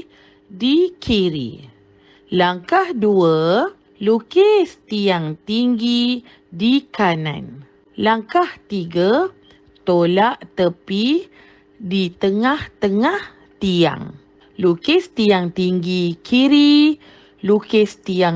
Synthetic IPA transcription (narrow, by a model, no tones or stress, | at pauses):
dikʰiɾḭ | laŋkahduə | lukest̪iaŋt̪iŋɡi | dikanã̰n | laŋkaht̪iɡa | t̪olaʔt̪əpi | dit̪əŋaht̪əŋah | t̪ia̰ŋ | lukest̪iaŋt̪iŋɡikʰiɾi | lukest̪ia